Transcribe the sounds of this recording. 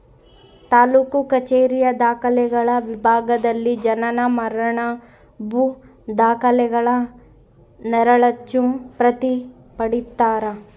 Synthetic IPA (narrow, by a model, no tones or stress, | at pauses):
t̪aːluːkukɐt͡ʃeːɾijɐd̪aːkɐlɛɡɐɭɐʋibʱaːɡɐd̪ɐlːid͡ʒɐnɐnɐmɐɾɐɳɐ | bʱu | d̪aːkɐlɛɡɐɭɐ | nɛɾɐɭɐt͡ʃːupɾɐt̪i | pɐɽit̪ːaːɾɐ